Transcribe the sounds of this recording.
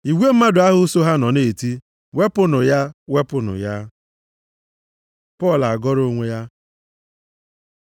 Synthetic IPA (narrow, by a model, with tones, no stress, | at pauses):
i˨wʷe˦m̩˦ma˦dʊ˨a˦ɦʊ˦so˦ɦa˦nɔ˨ne˦˨ti˦ | we˦pʊ˦nʊ˨ja˦we˦pʊ˨nʊ̰˨ja˦ | pɔ˦˨la˨ɡɔ˦ɾo˦ŋʷe˦ja˦